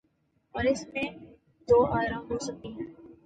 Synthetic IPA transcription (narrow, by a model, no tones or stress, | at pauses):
ɔːɾɪsmẽ | d̪oːʔaːɾãboːsəkiɦɛ̃ː